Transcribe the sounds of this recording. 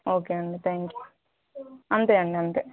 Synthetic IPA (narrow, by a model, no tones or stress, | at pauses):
oːkeːɐɳɖet̪ʰaːŋkju | ɐnt̪eɐɳɖeɐnt̪e